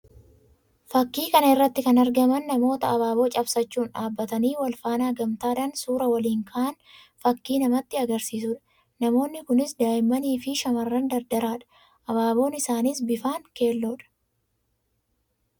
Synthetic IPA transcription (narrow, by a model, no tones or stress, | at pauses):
fɐkːiːkɐnɐɪrːɐt̪ːɪkɐnɐɾɡɐmɐnːɐmo̞ːt̪ɐːβaːbo̞ːt͡ʃʼɐbsɐt͡ʃːuːnᶑaːbːɐt̪ɐniːwɐlfaːnaːɡɐmt̪aːᶑ̪ɐnsuːɾɐwɐliːŋkʰaʔɐn | fɐkːiːnɐmɐt̪ːɪɐɡɐɾsiːsʊᶑɐ̥ | nɐmo̞ːnːɪkʊnɪsd̪aːjɪmɐniːfɪʃɐmɐrːɐnd̪ɐɾd̪ɐɾaːᶑɐ̥ | ʔɐβaːbo̞ːnɪsaːnisbɪfaːŋke̞ːlːoːᶑɐ̥